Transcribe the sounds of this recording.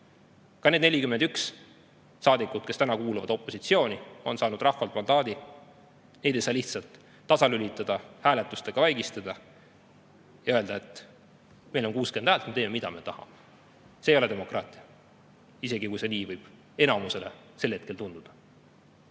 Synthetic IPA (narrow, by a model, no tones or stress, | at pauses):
kɑned̪ne̞lʲikymend̪̥yks | sɑːd̪ikːud̪̥kest̪ænɑkuːluvɑ̰d̪̥o̞pːˑo̞sit̪sio̞ːnio̞nsɑːnud̪̥rɑhvɑlt̪ˑmɑnd̪ɑːd̪̥i | ne̞jd̪e̞jsɑːliht̪sɑlt̪ː | ɑsɑlylit̪ːˑɑd̪̥ɑhæːlet̪ːˑust̪e̞ɡ̥ɑvæjɡist̪ɑd̪̥ɑ | jɑø̞ld̪̥ɑe̞t̪ːˑ | mejlo̞nkuːskend̪̥hæːlt̪met̪eːmemid̪̥ɑme̞t̪ɑhɑ̰me | seːjo̞le̞d̪e̞mo̞krɑːt̪ʲˑiɑ | ise̞ɡikujse̞niːvɤjb̥ | e̞nɑmuse̞le̞ | se̞lːhe̞t̪̚ke̞lt̪und̪̥ud̪̥ɑ̥